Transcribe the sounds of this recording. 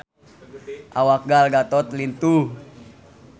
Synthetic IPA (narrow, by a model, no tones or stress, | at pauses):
ʔawak̚ɡalɡat̪ɔt̪lint̪u